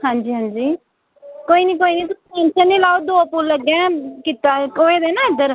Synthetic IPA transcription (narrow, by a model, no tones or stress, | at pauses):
hãːnd͡ʒiːɦãːnd͡ʒiː | koːiːniːkoːiːniːt̪ʊsiẽnt͡ʃʰəniːlaːod̪oːpulləɡɛ̃ːkiːt̪aːoːeːd̪eːnãːɪd̪əɾ